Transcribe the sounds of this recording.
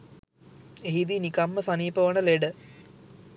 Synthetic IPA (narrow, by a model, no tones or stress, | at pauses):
eɦid̪inikamːəsaniːpəʋənəleɖə